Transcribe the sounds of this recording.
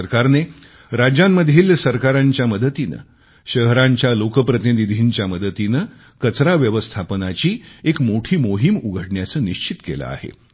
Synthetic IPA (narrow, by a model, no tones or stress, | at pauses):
əɾkaɾne | ɾad͡ʑamːəd̪ʱjiːlsəɾkaɾaɲt͡ɕjaməd̪ət̪inə̰ | ɕəɦɾaɲt͡ɕjalokəpɾət̪inid̪ʱiːɲt͡ɕjaməd̪ət̪inə | kət͡sɾaʋjəʋəst̪ʰapənat͡ɕiːekmoʈʰiːmoɦimuɡʱəɽɳjat͡səːniɕt͡ɕit̪kela̰a̰ɦḛ